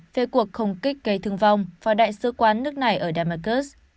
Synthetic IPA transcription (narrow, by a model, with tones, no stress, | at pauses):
ve˧˩ku˨˩ək̚xə˧wŋ͡mkï˦˥k̟̚ɣə˧˩jt̪ʰɨ˧əŋva˧wŋ͡mvaː˨˩ɗa̰ː˧˨jsɨ˧˦kwaː˨˦nːɨ˦˥ək̚na˨˩jʔəː˧˩ɗaː˧˩maː˧˩kə˦˥s